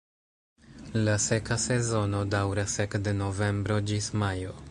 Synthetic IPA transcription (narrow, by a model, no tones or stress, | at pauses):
lase̞kase̞zo̞no̞dawɾasekde̞no̞ve̞mbɾo̞d͡ʒismajo